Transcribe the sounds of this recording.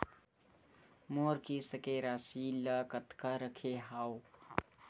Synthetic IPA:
moɾkisəkeɾasiləkət̪kəɾəkʰeɦaw

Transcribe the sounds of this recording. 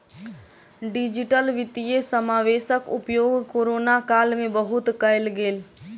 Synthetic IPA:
ɖid͡ʒɪʈəlʋɪt̪ijesəmaːʋeːʃəkʊpjoːɡkoːɾoːnakaːlmẽbəɦʊt̪kəlɡeːl

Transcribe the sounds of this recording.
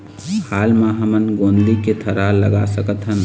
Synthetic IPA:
haːlmãɦəmənɡõːnd̪iket̪ʰəɾaləɡa̰səkət̪ɦən

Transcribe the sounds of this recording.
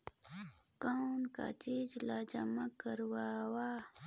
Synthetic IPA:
kawnka̰t͡ʃizlaːd͡ʒamakəɾwawa

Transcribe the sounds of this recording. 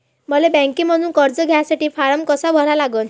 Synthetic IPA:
mʌlebɛ̃ŋkimʌnunkɔɾd͡zɔɡʱjasaʈipʰaɾəmkɔsabʱɔɾalaɡɔn

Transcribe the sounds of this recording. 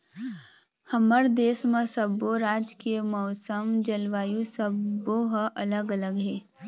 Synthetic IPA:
həməɾd̪eːsmə̃səboɾaːd͡ʒkemɔʊsəmd͡ʒəlʋaːjusəboɦʔələɡələɡɦeː

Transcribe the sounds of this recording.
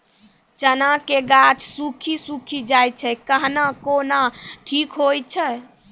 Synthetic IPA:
t͡ʃənakeɡat͡ʃsukʰisukʰid͡ʒajt͡ʃʰɛkəɦnakonaʈʰikɦojt͡ʃʰɛ

